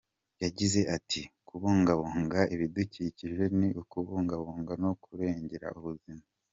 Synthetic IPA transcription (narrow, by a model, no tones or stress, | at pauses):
jaɟize̞ʔatʰikuβuːŋɡaβuːŋɡaiβiduciciʒe̞niʔukuβuːŋɡaβuːŋɡanokuɾe̞ːɲɟe̞ɾa̰ʔuβuzima